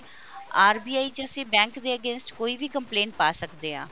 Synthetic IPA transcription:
aːɾbiːaːiːt͡ʃəsẽːbɛ̃ːŋkd̪eːəɡẽːnsʈkoːiːbiːkəmplẽːɳʈ̚paːsəkd̪eːɦã̰ː

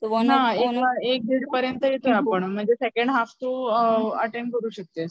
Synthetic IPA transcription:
naeəek̚d̪iɽpəɾjənt̪əjet̪ojapəɳm̤əɳd͡zesekəɳɖɦaft̪oəʈemkəɾuːɕək̚t̪e

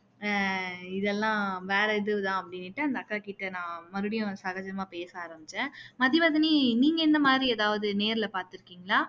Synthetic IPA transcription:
ɪðɛlːãːʋeːɾɐɪðɯʋɯt̪ãːɐpːɐɽɪnːɪʈːɯɐnd̪ɐɐkːaːkiːʈːɯnãːmɐɾɯɽɪjʊ̃sɐɣɐd͡ʒɐmaːpeːsɐaːɾɐmbɪt͡ʃːɛ̃ːmɐðiʋɐðɐniniːŋɡɐɪnd̪ɐmaːd̪ɾieːðaːʋɐðɯneːɾɪlɐpaːɾt̪ɪɾɯkːiːŋɡɐɭaː

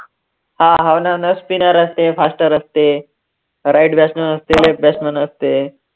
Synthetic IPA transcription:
hãɦawnaʋnəspinəɾəst̪efasʈəɾəst̪e | ɾaiʈbjasmənəst̪elep̚basmənəst̪e

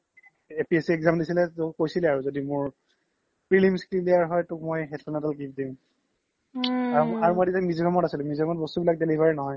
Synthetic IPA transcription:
epiɛsiɛkzamdisilɛtʊkojsilɛaɹuzodimʊɹ | pɹilimskɹimdijaɹɦɔjtʊk̚mɔjɦɛtʰɔnatalkip̚dim | aɹɦaɹmajditamizbʱɛmɔtasilɛmizbʱɛmɔt̚bɔstubilak̚delibʱaɹinɔɦɔj

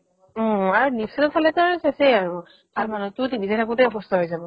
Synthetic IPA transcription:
ɔ̃aɹunisɔnɔpʰalɛtaɹsasɛjaɹu | b̥almanɔtʊtibizɛtʰakutɛɔbɔstʰɔɦojzabɔ

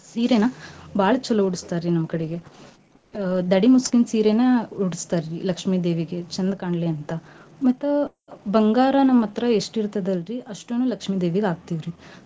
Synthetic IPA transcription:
siːɾenɐbaːɭɐt͡ʃːɐlːɐuɽust̪aːɾɾinɐmːɐkɐɽeɡe | d̪ɐɽimuskinsiːɾenɐuɽist̪aːɾɾilɐkʂmiːd̪eːʋiɡet͡ʃɐnd̪kaːɳɖleɐnt̪ɐmɐt̪ːɐ | bɐŋɡaːɾɐnɐmːɐt̪ɾɐeʂʈiɾt̪ɐd̪ɐlɾiʔɐʂʈeːnuːlɐkʂmiːd̪eːʋiɡaːɡ̚t̪iːʋɾi

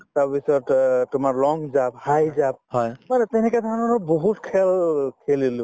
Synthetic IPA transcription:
tabisɔttʊmaɹlɔŋɡzap̚hajzap̚hɔjmanɛtɛnɛkatʰanɔnɔboɦutkʰɛlkʰelilʊ̃

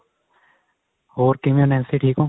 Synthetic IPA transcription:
ɦoːɾkimjõːnɛ̃nsiʈʰiːkõː

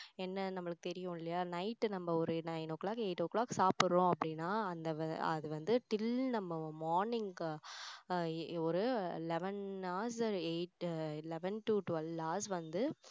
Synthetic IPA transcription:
ɛnːɐnɐmːɐɭɯkːɯt̪ɛɾɪjʊ̃ɪlːɐjaːnɐɪʈːnɐmːɐɔɾɯnɐjnɔkːɐɭaːkeːʈːɯɔkːɭaːkːsaːpɯɾɾõɐpːɐɽɪnːaːɐnd̪ɐɐɐ̰ðɯʋɐnd̪ɯʈɪlnɐmːɐmoːɾnɪŋɡ | ɔɾɯɪlɛʋɛnaːs̬eɪʈɪlɛʋɛnʈuʈʋɛlaːsʋɐnd̪ɯ

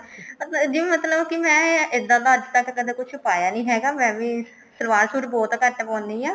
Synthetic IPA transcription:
d͡ʒ̪imət̪ləbkɪmɛ̃ːɪd̪ãt̪aːəd͡ʒt̪əkːəd̪eːkʊt͡ʃʰʊpaːjaːnĩːɦɛːɡaːmɛ̃ːbiː | səɾʋaːɾsuːɾbɔːt̪kəʈpɔ̃ːnd̪iːaː

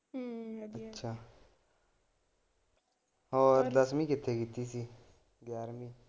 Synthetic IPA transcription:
ətːʃʰaː | ɔːɾd̪əsmĩːkɪt̪ʰːeːkɪt̪ːiːsiː | ɡjaːɾmiː

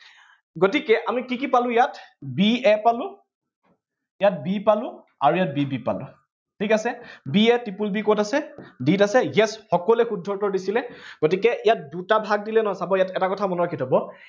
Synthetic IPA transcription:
ɡotikɛʔamikikipalʊ̃jatbiɛpalʊ̃ | ijat̚bipalʊ̃ | a̰ɹuijat̚bibipa̰lʊ̰̃ | tʰikasɛbiɛtipulbikɔtasɛditasɛjɛsxɔkɔlɛxudʱːɔɹtɔɹdisilɛɡ̥otikɛʔijat̚dutabʱaɡ̚dilɛnɔɦsabɔjatɛtakɔtʰamɔnɔɹakʰitʰɔbɔ

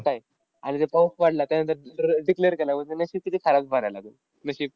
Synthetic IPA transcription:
k̪aj | anid͡zepəwkʋaɽlat̪janənt̪əɾɖikleɾkelamət̪enəɕiːkit̪ʰikʰaɾat͡sbʱaɽajlaɡu | nəɕiːp̚

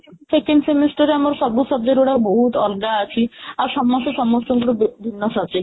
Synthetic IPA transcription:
sekensemisʈaɾamaɾʃɔbuʃɔb̚d̪eɾoɽaboɦut̪ɔlɡaat͡ɕʰiaɾʃɔmmːaʃoʃɔmost̪oɡuɽobbʱinːoʃat͡ɕe

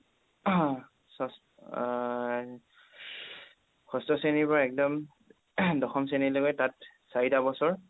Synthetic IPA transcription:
sɔs | kʰɔstɔsenipɔɹaɛk̚dɔm | dɔxɔms̬enilɔɡɔtat̚ | saitabɔsɔɹ

